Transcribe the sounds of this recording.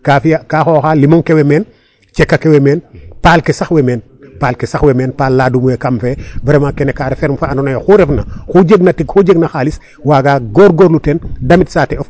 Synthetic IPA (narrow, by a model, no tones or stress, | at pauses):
kaːfijakaːxoːxaːlimɔŋkewemeːn | t͡ʃɛkːakewemeːnpaːlkesaxwemeːn | paːlkesaxwemeːnpaːlːadumuwekamfebɐɾemakɛnekaːɾefeːɾmfaanonojoxuɾɛfnɐ̰xuɟeɡ̚nɐtiɡxuɟeɡnɐxaːlis | waːɡaːɡɔːɾɡoɾlutɛndɐmitsaːteɔf